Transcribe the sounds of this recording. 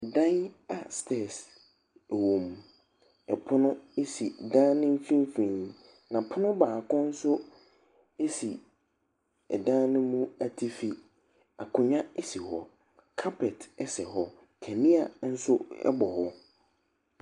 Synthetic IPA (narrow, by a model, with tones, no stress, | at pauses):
dã˦na˨stʰɛ˦˨s | ɛ˨wõ˨m | ɛ˨pʰʊ˦nʊ̃˦e˦si˨dã˦nɪ̃˦m˦fĩ˦m˦fĩ˨ | nã˨pʰʊ˦nʊ̃˦baː˨kʊ̃˦n̩˦sʊ˦ | e˦si˨ | ɛ̰˨dã˦nɪ̃˦mũ˦a˨tʰi˦fi˨ | a̰˨kʰʊ̃˨ɲã˦e˦si˨hɔ˨ | kʰa˦pʰɛ˨tɛ˦sɛ˨ɦɔ˨ | kʰɛ˨mĩ˦a˨n̩˦sʊ˦ɛ̰˦bɔ˨hɔ˦